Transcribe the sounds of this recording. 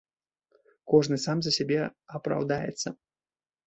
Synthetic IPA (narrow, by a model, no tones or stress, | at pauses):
kɔʐnɨsamzɐsʲabʲɛɐpɾa̰wd̪ajɛ̰t̪sːɐ